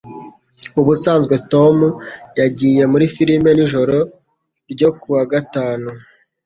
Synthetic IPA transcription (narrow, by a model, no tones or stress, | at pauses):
uβusaːnzɡwe̞to̞mujaɟiːje̞muɾifiɾime̞niʒo̞ɾo̞ | ɾɟo̞kuwaɡataːnu